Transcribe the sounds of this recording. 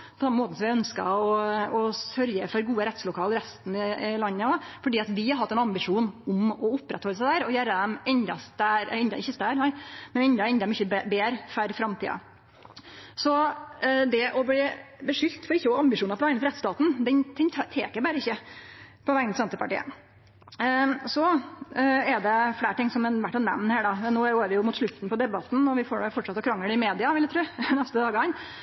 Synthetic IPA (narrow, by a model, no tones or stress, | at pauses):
pʰɔsɑmːəmoːt̪̩sɔmʋɪœnskɑ̰ɔɔsœɾjəfɔɾɡuːəɾɛt̪slʊkʰɑːlɾɛst̪n̩ɪɪlɑnːəɔfɔɖiːɑt̪ʋɪhɑɾɦɑt̪ːɛnɑmbɪʂuːnʊmɔʊpːɾɛt̪hɔlːəs̬æɪd̪æːɾɔjæːɾəd̪ɛmɛnd̪ɑst̪æɾɛnd̪ɑ̰ɪçːəst̪æːɾnæɪmɛnɛnd̪ɑɛnd̪mʏçːəbeːɾfæɾfɾɑmt̪ḭːɑ̰ | sɔ | d̪ɛʔɔbliːbəʂʏlt̪fɔɾɪçːəɔɑmbɪʂuːnɑpʰɔʋæŋnət̪ɾɛt̪st̪ɑːt̪n̩d̪ɛnt̪ʰɛnʰt̪ʰḛːkəɾbæːɾəɪçːəpʰɔʋæŋnət̪sɛnt̪əpɑʈḭːə̰ | sɔ | ɛd̪ɛfɽeːʈɪŋːsɔmɛnʋæʈːɛnːɛ̰mnhæːɖɑnːoːæoːæɾʋɪjʊmʊt̪ʂɭʉt̪n̩pɔd̪ɛbɑt̪n̩ɔʋɪfoːɖɛfɔʈʂɑt̪ːɔkʰɾɑŋːləɖ̪ɛɪmeːd̪ɪɑʋɪljæɪt̪ʰɾʉːnɛst̪əd̪ɑːɡəɑn